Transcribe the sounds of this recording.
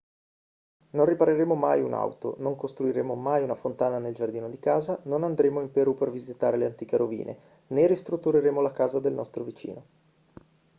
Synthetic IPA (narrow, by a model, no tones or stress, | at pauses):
nonripaɾeɾeːmoma̰juna̰wt̪o̰noŋkost̪ɾuiɾeːmomajunafont̪aːnaneld͡ʒard̪iːnod̪ikaːzanonand̪ɾeːmoimpeɾupervizit̪aːɾeleant̪iːkeɾovḭːnʔḛ | nerist̪ɾut̪ːuɾeɾeːmolakaːzad̪elnɔst̪ɾovit͡ʃḭːno